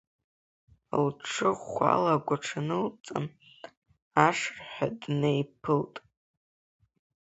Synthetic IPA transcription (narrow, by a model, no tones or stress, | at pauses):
lʈ͡ʂʰɨʁʷa̰laɡʷaʈ͡ʂʰanɨlt͡sʼa̰n | aʂrħadnejpʰɨltʼ